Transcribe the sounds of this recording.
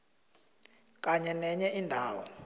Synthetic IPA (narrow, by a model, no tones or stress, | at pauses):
kʼaɲɛnɛɲɛʔindʱaːwɔ̰